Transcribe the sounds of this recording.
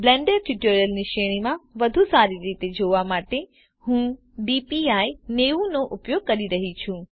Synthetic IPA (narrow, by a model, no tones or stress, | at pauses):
blɛ̃ːɳɖəɾʈɪʈoːɾjəlniʃeːɽ̃imãʋɐd̪ʱusaːɾiɾiːt̪ed͡ʑʱoːʋamaːʈe | hũː | ɖiːpiaːineːunoʔʊpjoːɡ̚kɐɾiɾɐɦit͡ɕʰũː